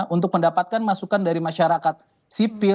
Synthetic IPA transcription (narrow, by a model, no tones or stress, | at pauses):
unt̪ʊk̚məndapat̪̚kanmasukandaɾimaʃaɾakat̪̚ | sipɪ